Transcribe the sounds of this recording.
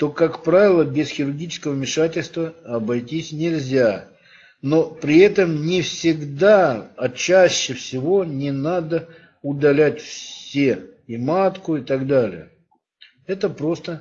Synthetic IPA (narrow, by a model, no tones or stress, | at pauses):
t̪o̞kakpɾavʲɪlˠəbʲɪsxʲɪɾʊrɡʲit͡ɕɪ̥skəvəvmʲɪʂatʲɪlʲst̪vəɐbɐjtʲisʲnʲɪlʲzʲa | no̞pɾʲɪɛt̪əmnʲɪfsʲɪɡd̪aɐt͡ɕæɕːɪfsʲɪvo̞nʲɪnad̪ə | ʊd̪ɐlʲætʲfssʲeɪmat̪kʊɪt̪aɡd̪alʲɪ̰jə | ɛt̪əpɾo̞st̪ə